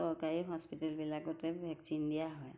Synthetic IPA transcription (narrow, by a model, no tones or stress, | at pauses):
sɔɹkaɹiɦɔspitɛlbilakɔtɛbʱɛksindijaɦɔj